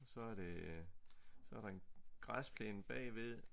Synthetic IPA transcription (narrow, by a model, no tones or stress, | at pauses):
sɒ̽æɐɾ̥e̝ | sɒ̽æɐɾ̥ɑ̈e̝nɡ̥ʁaspʰleːnb̥ɛ̰ːʋe̝ðˠ